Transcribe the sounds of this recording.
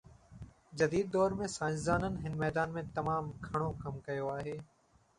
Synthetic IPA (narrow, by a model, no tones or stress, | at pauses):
d͡ʑɐd̪iːd̪̚ːɔːɾmẽsaːɪ̃szaːnənɪ̆ɦɪnmɛːd̪aːnmẽt̪ɐmaːmkʰɐɽ̃okɐmkɐjoaːɦeː